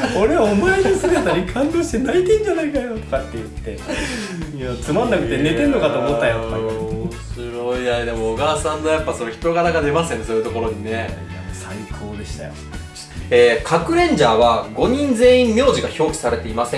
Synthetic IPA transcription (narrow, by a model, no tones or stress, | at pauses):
oɾe̞βaomaenosɨɡ̪at̪aɲikʰãnd̪oːɕi̥t̪e̞nait̪ẽɲ̟d͡ʑanaikajo̞t̪o̥kat̪ːe̞jɯ̟t̪ːe̞ | jat͡sɨmãnːakɯ̟t̪ːene̞t̪eɯnokat̪o̞ːmo̞t̪ːajomoɕiɾoijaad̪e̞moːɡaːsãnːojapːasonoçi̥t̪o̞ɡanaɡad̪e̞maseñso̞ːjɯ̟t̪o̞ko̞ɾo̞ɲ̟ine̞jaasaikʰoːd̪e̞ɕi̥t̪a̰jo | eːkʰakɯ̟ɾẽ̞ɲ̟d͡ʑaːβaɡo̞ɲ̟ĩnd͡ze̞ːĩmːʲjo̞ːʑiɡaço̞ːkʲi̥saɾe̞t̪e̞imasẽ̞